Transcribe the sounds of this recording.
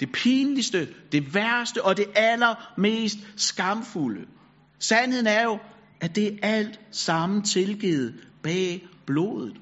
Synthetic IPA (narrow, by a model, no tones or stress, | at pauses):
d̥e̝pʰiːnlisd̥əd̥e̝ʋæɐsd̥əʔɒ̽d̥e̝ʔælɐme̝̰ːsd̥sɡ̥ɑ̈mfulə | sænhe̝ð̞̰̩ˠæɐjo̝ | æd̥e̝æl̰d̥sɑ̈m̩t͡sʰe̝lɡ̥eð̞̩ˠb̥ɛːb̥lo̝̰ːðˠð̩ˠ